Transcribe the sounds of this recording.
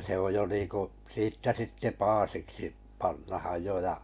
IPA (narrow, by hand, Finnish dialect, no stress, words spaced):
se oj jo niːku siːtːæ sitːe pɑːsiksi pɑnːɑhɑj jo jɑ